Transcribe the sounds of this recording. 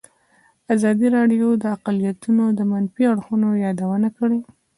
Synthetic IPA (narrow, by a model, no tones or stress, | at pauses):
azɑd̪iɾɑɖjod̪əaqalijat̪unod̪əmanfiaɽxunojɑd̪awənakəɽe